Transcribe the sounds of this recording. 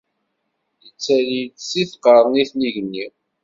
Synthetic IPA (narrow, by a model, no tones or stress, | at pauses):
jət͡sːælit̪siθqɑɾˤniθniʝənːi